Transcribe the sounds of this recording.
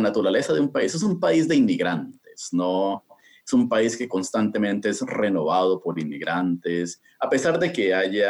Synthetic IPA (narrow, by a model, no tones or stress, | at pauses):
nat̪uɾale̞saðeumpaise̞sumpaizd̪e̞inmiɣɾant̪e̞̥sno̞ | esumpaiske̞ko̞nst̪ant̪e̞mẽnt̪eesre̞no̞βað̞o̞po̞ɾinmḭɣɾant̪es | ape̞saɾðe̞ke̞aʝa